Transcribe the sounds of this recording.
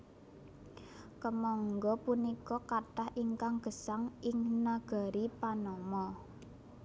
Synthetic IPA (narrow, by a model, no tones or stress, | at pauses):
kəmɔŋɡɔpunikɔkaʈahʔiŋkaŋɡ̥ə̤saŋɪŋnaɡ̥a̤ɾipanɔmɔ